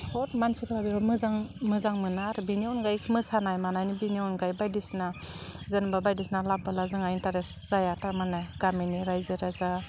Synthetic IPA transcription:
hɔtmansikʰlabiɾɔmɯzaŋmɯzaŋmɯnaɾbiniɔnɡajkʰmɯsanajmanajnibiniɔnɡajbajdisna | zɯnbabajdisnalabalazɯŋaintaɾesz̥ajatamanajɡaminiɾajzɯɾaza

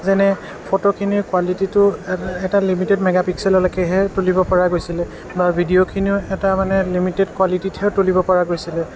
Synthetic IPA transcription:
zɛnɛ | pʰɔtokʰiniɹkwalititʊɛtalimitɛdmɛɡapiksɛlɔlakɛɦɛtulibɔpɔɹaɡojsilɛ | baɹbʱidiokʰiniʊɛtamanɛlimitɛdkwalitithɛtulibɔpɔɹaɡojsilɛ

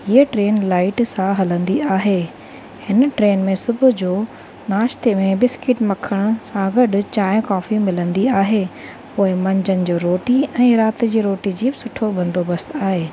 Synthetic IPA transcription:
iəʈɾeːnlaːɪʈsãɦɐlə̃nd̪iaːɦeː | hɪnʈɾeːnmẽsʊbʱʊ̆d͡ʑoː | naːʃt̪emẽbɪskɪʈmɐkʰəɽ̃ʊsãɡɐɗʊ̆t͡ɕaːɪ̃kɔːfimɪlə̃nd̪iaːɦeː | poːɪmɐ̃ɲd͡ʑənɪ̆d͡ʑoːɾoːʈiɛ̃ːɾaːt̪d͡ʑiːɾoːʈid͡ʑiːbɪsʊʈʰobɐ̃nd̪obɐst̪aːɦeː

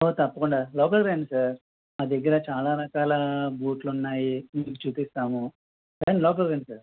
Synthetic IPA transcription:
oːt̪ɐpːɐkuɳɖaːloːkɐlɡɾeːɳɖsaːɾ | ɐd̪ɐɡːɐɾɐt͡ʃaːlaːɾɐkaːlɐbuːʈlunːaːjiniːkut͡ʃuːpist̪aːmu | kɐniloːk̬ɐlɡɾeːɳɖsaːɾ

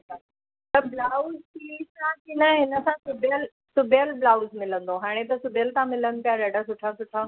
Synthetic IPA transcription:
t̪əblaːʊztisãkinəɦɪnəsãsʊbʱjəl | sʊbʱjəlblaːʊzmɪlə̃nd̪oɦaːɽ̃et̪ɐsʊbʱjəlt̪ãmɪlən̆pijaɾɐɖasʊʈʰasʊʈʰaː

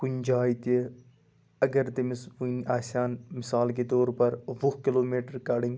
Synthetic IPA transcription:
kʊɲd͡ʒaːit̪e | ɐɡəɾt̪emɪsʋunʔaːsaːnmɪsaːlk̬et̪oːɾpɐɾʋʊɦkɪloːmeːʈəɾkaːɖɪ̃ŋ

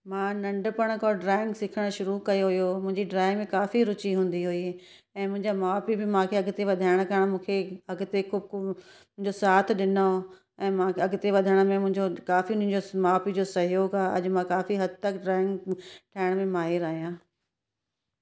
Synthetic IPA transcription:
mãːnɐ̃ɳɖpəɽ̃kɔɖɾaːɪ̃ŋɡsɪkʰəɽ̃ʃʊɾukɐjoɦʊjomʊ̃ɦɪ̃ɲd͡ʑiɖɾaːɪmẽkaːfiɾʊt͡ɕiɦũːn̆d̪iɦʊiː | ɛ̃ːmʊ̃ɦɪ̃ɲd͡ʑamaːpibɪmãːkʰeɐɡt̪eʋɐd̪ʱaːɪɽ̃kɐɽ̃mũːkʰeɐɡt̪ekʊ | mʊ̃ɦɪ̃ɲd͡ʑosaːt̪ʰɗɪno | ɛ̃ːmãːɐɡt̪eʋɐd̪ʱəɽ̃mẽmʊ̃ɦɪ̃ɲd͡ʑokaːfiʊn̤ĩɲd͡ʑomaːpid͡ʑosɐɦjoːɡaːʔɐ̰ʄmãkaːfiɦɐd̪t̪əkɖɾaːɪ̃ŋɡʈʰaːɪɽ̃mẽmaːɦɪɾaːɦijãː

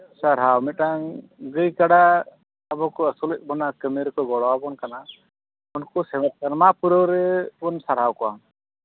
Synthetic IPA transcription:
saɾɦawmɛt̪̚aŋɡəjkaɽa | abɔkɔəsuləc̚ˀbɔnakəmɛɾkɔɡɔɽɔwabɔnkana | unkɔsɛmɛt̪̚kanamapuɾɔwɾɛɔnsaɾɦawkɔwaŋ

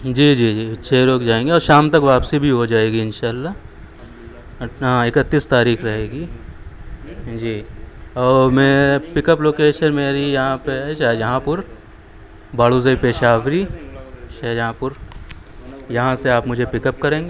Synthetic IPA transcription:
d͡ʒiːd͡ʒiːd͡ʒiːt͡ʃʰeːɾoːkd͡ʒaːẽːŋɡeɔːɾʃaːmt̪ɐkʋaːpsibʱiɦod͡ʒaːeːɡiɪnʃaːlːa | ɦãɪkət̪ːiːst̪aːɾiːkɾɐɦeːɡiː | d͡ʒiːɔːɾmeːepɪkəploːkeːʃənmeːɾijɐɦãpeʃajɐɦãpʊɾ | baːluːzəipeːʃaːʋɾi | ʃajɦãpʊɾ | jɐɦãseaːpmʊd͡ʒʱepɪkəp̚kɐɾẽːŋɡe

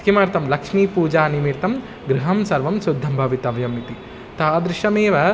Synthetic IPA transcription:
kʰimaːɾt̪ɐmlɐkʂmiːpuːd͡ʒaːnimiɾt̪ɐm | ɡɾuɦɐmsɐɾʋɐmsud̪ʱːɐmbʱɐʋit̪ɐʋjɐmːit̪i | t̪aːd̪ɾɪʃɐmeːʋɐ

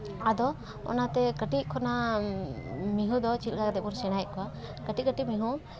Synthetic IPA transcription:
ad̪ɔ | ɔ̰nat̪ɛkəʈikʰɔna | miɦũd̪ɔt͡ʃilkaɡd̪ɛbuɾsɛɽ̃ajʔ̚kɔwakəʈikəʈimiɦu

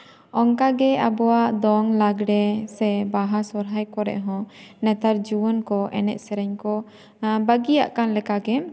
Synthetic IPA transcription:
ɔŋkaɡɛabɔwaʔd̪ɔŋlaɡɽɛsɛbaɦasɔɾɦajkɔɾɛ̰ʔɦɔ̃nɛt̪aɾd͡ʒuwənkɔʔɛ̰nɛ̰ʔ̪̚sɛɾɛɲkɔ | bəɡija̰ʔkanlɛkaɡɛ

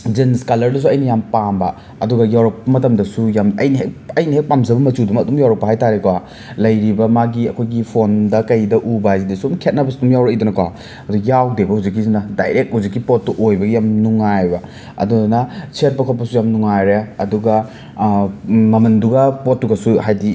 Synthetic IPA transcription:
d͡ʒinskalɐɾdus̬uɐjnɐjampambɐ | ɐduɡɐjawɾɐk̚pɐmɐtɐmdɐsujamɐjnɐɦekɐjniɦek̚pamzɐbɐmɐt͡ʃudumɐdumjawɾɐk̚pɐɦajtaɾekwa | lɐjɾibɐmaɡiɐkʰojɡipʰondɐkɐjdɐʔubazidɐsumkʰet̚nɐbɐsudumjawɾɐkijdunɐkwa̰ | ɐduɡɐjawdebɐhuzik̬ːizinɐdajɾek̚huzikːipot̚ːuʔojbɐɡijamnuŋajbɐ | ɐ̰dunɐset̚pɐkʰot̚pɐsujamnuŋajɾeɐduɡɐ | mɐmɐnduɡɐpotːuɡɐsuhajdi

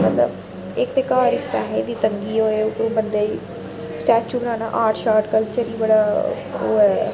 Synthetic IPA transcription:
mət̪lə̰b | ɪkt̪eːkaːɾɪk̚pɛːɦeːd̪iːt̪əŋɡiːoːeːʊkɾũːbənd̪eːiː | sʈɛːkt͡ʃuːbənãːna̰ːʔaːɾʈʃaːɾʈkəlt͡ʃəɾiːbəɽaː | oːɛː

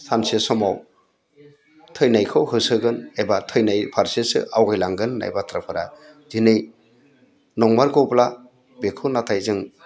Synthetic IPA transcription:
sansesɔmaw | tʰɯjnajkʰɯwhɯsɯɡɯnebatʰɯjnajpʰaɾsesɯ̰ʔawɡɯjlaŋɡɯnːa̰jbatʰɾapʰɯɾa̰ | zinɯj | nɔŋmaɾɡɯwpla | bekʰɯnatʰajzɯŋ

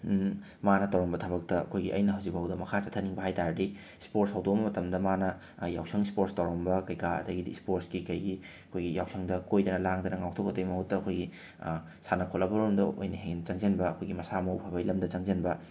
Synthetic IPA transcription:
manɐtɐwɾɐmbɐtʰɐbɐk̚tɐɐ̰kʰojɡiʔɐjnɐɦɐwzibɐɦwdɐmɐkʰat͡ʃɐtʰːɐniŋbɐɦajtaɾdi | spoɾtshɐwdomɐmɐtɐmdɐmanɐ | ja̰wsʰɐŋspoɾstɐwɾombɐkɐjkaɐ̰dɐɡidḭspoɾskikɐjɡi | ɐkʰojɡijawsʰɐŋdɐkojdɐnɐlaŋdɐnɐŋawtʰokɐtɐjmɐhutːɐːkʰojɡi | sanɐkʰolɐbɐɾumdɐo̰jnɐɦeŋnɐt͡ʃɐŋzɐnbɐːkʰojɡimɐsamɐwpʰɐbɐjlɐmdɐt͡ʃɐŋzɐnbɐ

